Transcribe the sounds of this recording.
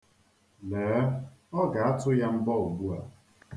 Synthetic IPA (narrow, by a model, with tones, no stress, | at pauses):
lɛː˨˦ɔ˦ɡa˨a˦tʊ˦ja˦m̩˦bɔ˦o˨ɡʷu˦a˨